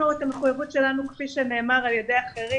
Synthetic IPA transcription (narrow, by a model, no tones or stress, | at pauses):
uetameχujavutʃe̞lanukfiʃene̞ːmaʁaljedeaχeʁi